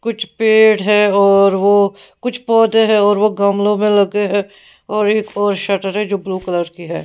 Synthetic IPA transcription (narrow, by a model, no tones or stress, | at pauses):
kʊt͡ʃʰpeːʈɦɛːɔːɾʋo | kʊt͡ʃʰpɔːd̪eɦɛɔːɾʋoɡɐmlõmẽlɐɡeɦɛ̃ː | ɔːɾeːkɔːɾʃɐʈəɾɦɛd͡ʒoːbluːkələɾkiɦɛ̰ː